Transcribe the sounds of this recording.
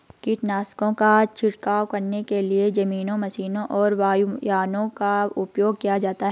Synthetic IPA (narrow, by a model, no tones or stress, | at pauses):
kiʈnaːskõkat͡ʃʰɪɽkaːwkɐɾnekelied͡ʒɐmiːnõmɐsiːnõʔɔːɾʋaːjujaːnõkaʊpjoːɡkijad͡ʒaːt̪aɦɛ